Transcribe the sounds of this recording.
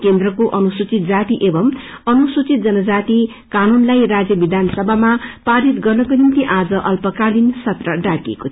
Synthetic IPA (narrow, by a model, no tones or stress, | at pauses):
kend̪rʌkoʔʌnusut͡sit̪̚d͡zat̪iʔebʌmʌnusut͡sit̪̚d͡zʌnʌd͡zat̪i | kanunlajrad͡zjʌbid̪ʱansʌbʱamapaɾit̪ɡʌrnʌkonint̪iʔad͡zʌʔʌlpʌkalinsʌt̪rʌɖakḛko